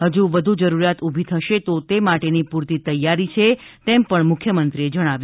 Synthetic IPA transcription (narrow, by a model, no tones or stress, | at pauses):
ɦəd͡ʒuʋəd̪ʱud͡ʒəɾuɾjat̪ubʱit̪ʰəʃet̪ot̪emaʈenipuɾt̪it̪əjːaɾit͡ʃʰet̪empəɳmʊkʰjəmənt̪ɾied͡ʒəɽ̃aʋju